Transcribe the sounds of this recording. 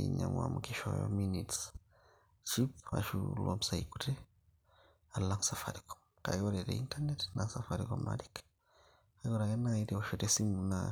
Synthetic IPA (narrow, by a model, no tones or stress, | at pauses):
ḭɲaŋwa̰muɡiʃoj̰minits | t͡ʃipa̰ʃulomsaiku̥te | aɾlaŋsafa̰ɾiko | kaɡoɾeɾeintanetnasafaɾikoma̰ɾik | aɡoɾajenaiɾeoʃoɾesimuna